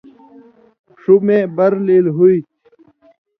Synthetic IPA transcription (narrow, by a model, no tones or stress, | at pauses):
ʂumẽbɐɾliːlɦui